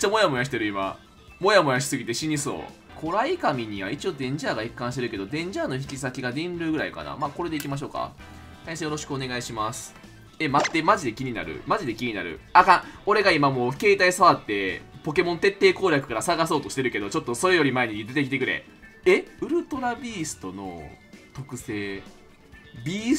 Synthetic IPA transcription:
t͡ɕːamo̞jamo̞jaɕi̥t̪e̞ɾɯ̟ima̰ | mo̞jamo̞jaɕ̬i̥sɨɡʲit̪e̞ɕiɲ̟iso̞̰ː | kʰo̞ɾaikamʲiɲ̟iβ̞ait͡ɕio̞d̪ẽ̞ɲ̟d͡ʑaːɡaikːãɰ̃ɕi̥t̪eɾɯ̟ke̞d̪o̞d̪ẽ̞ɲ̟d͡ʑaːno̞çi̥kʲisakʲiɡad̪ĩnɾɯ̟ːɡɯ̟ɾa̰ḭka̰na̰maːko̞ɾe̞d̪e̞ikʲimaɕ̬o̞ːka̰ | t̪aisejoɾo̞ɕi̥kɯo̞ne̞ɡaiɕimasɨ̥ | e̞mat̪ːe̞maʑid̪e̞kʲiɲ̟ina̰ɾɯ̰maʑid̪ekʲiɲ̟inaɾɯ̟̰akão̞ɾe̞ɡaimamo̞ːke̞ːt̪aisaβat̪ːe̞po̞ke̞mõ̞nt̪e̞t̪ːe̞ːko̞ːɾʲjakɯ̟̥kaɾasaɡaso̞ːt̪o̞ɕi̥t̪e̞ɾɯ̟ke̞d̪o̞t͡ɕo̞t̪ːo̞so̞ɾe̞jo̞ɾʲimae̞ɲ̟id̪e̞t̪ek̬it̪e̞kɯ̟ɾe̞̰ | eɯ̟ɾɯ̟t̪o̞ɾabʲiːsɨ̥t̪o̞no̞̰t̪o̞kɯ̟se̞ː | bʲiː

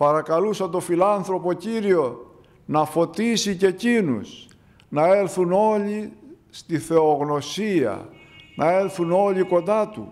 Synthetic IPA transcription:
pɐɾɐkɐlusɐt̪o̞filɐnθɾo̞po̞ciɾio̞ | nɐfo̞t̪isice̞cinṵs | nɐe̞lθuno̞li | st̪iθe̞oɣno̞siɐ̰nʔɐe̞lθuno̞liko̞nd̪ɐt̪ṵ

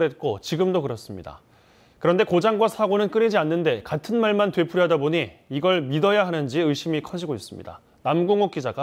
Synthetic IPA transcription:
et̚k͈ot͡ɕiɡɯmdokɯɾʌs͈ɯmɲida̰ | kɯɾʌnde̞kod͡ʑaŋɡwasʰaɡonɯnk͈ɯɾid͡ʑianːɯnde̞katʰɯnmaɭmantwe̞pʰuɾjɦadaboɲiːɡʌɭmidʌjaɦanɯnd͡ʑiɯɭɕ͈imikʰʌd͡ʑiɡois͈ɯmɲḭda̰ | namɡuŋok̚k͈id͡ʑaɡa

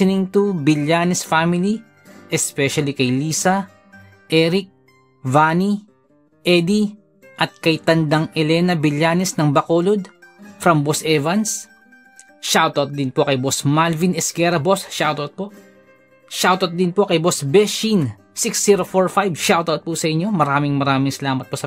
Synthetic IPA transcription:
ɪnɪ̃ŋt̪ubɪljanɛsfamili | ʔɛspɛʃɐlikɐjliːsɐ | ʔɛɾɪk̚ | vani | ʔɛd̪i | ʔɐt̪̚kɐjt̪ɐnd̪aŋʔɛlɛnɐbɪljaːnɛsnɐŋbɐkoːlod̪̚fɾɐmbosɛvɐns | ʃawt̪awt̪̚d̪ɪnpokɐjbosmalvinɛskɛɾɐbosʃawt̪ɐt̪̚po | ʃawt̪ɐt̪̚d̪ɪnpo̞kɐjbosbɛʃin | siksiɾofoɹfajbʃawt̪awt̪̚pusɐʔɪɲːo̞mɐɾaːmɪŋmɐɾaːmɪŋsɐlaːmɐt̪̚posɐ

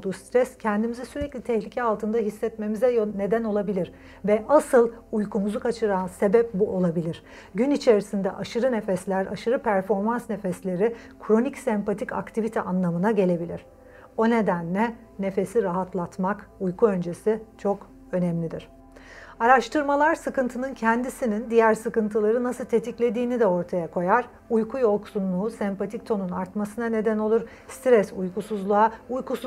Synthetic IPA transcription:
d̪uːst̪ɾɛscʰɛnd̪imizisyɾɛclʲit̪ʰɛçlʲicʰɛalˠt̪ʰɯnd̪aɦisːɛt̪me̞mizɛjne̞d̪æno̞lˠabilʲiɾ | vɛʔasɯlˠujkumuzukʰat͡ʃʰɯɾanse̞bɛp̚buʔo̞lˠabilʲiɾ̥ | ɟynit͡ʃʰe̞ɾisind̪ɛʔaʃɯɾɯne̞fɛslʲæɾa̰ʃɯɾɯpʰæɾfo̞ɾmansne̞fɛslʲe̞ɾi | kʰɾo̞nicsɛmpat̪ʰica̰kt̪ʰivit̪ʰɛʔanlˠamɯnaɟe̞lʲe̞bilʲiɾ̥ | o̞ne̞d̪ænlʲɛ | ne̞fe̞siɾaɦat̪lˠat̪makujkʰuø̞nd͡ʒe̞sit͡ʃʰo̞k | ø̞nɛmlʲid̪iɾ̥ | aɾaʃt̪ʰɯɾmalˠaɾsɯkɯnt̪ʰɯnɯncʰɛnd̪isinind̪ijæɾsɯkɯnt̪ʰɯlˠaɾɯnasɯlˠt̪ʰe̞t̪ʰiclʲe̞d̪iːnid̪ɛo̞ɾt̪ʰajakʰo̞jaɾ | ujkʰujo̞ksunlˠuːsæmpat̪ʰic̚t̪ʰo̞nunaɾt̪masɯnane̞d̪æno̞lˠuɾ | st̪ɾɛsujkusuzlˠaaujkus

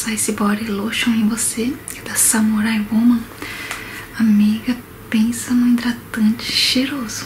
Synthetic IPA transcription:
sajsɪbɔɾiloʃõw̃ẽj̃vosekɪd̪asɐmuɾajwomɐ̃ | amiɡɐ | pẽsɐnʊ̃ĩnd̪ɾat̪ɐ̃nt͡ʃɪ̥ʃeɾozʊ̥

